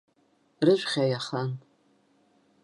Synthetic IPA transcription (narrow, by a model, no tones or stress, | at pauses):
rɨʒʷᶣχʲajaχan